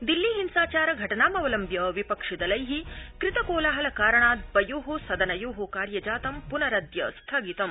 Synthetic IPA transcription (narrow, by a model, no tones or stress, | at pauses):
d̪ilːiɦinsaːt͡ʃaːɾɐɡʱɐʈɐnaːmɐʋɐlɐmbjɐʋipɐkʂid̪ɐlɐjɦikɾɪt̪ɐkoːlaːɦɐlɐkaːɾɐɳaːd̪̚bɐjuːɦusɐd̪ɐnɐjuːɦukaːɾjɐd͡ʒaːt̪ɐmpunɐɾɐd̪jɐst̪ʰɐɡit̪ɐm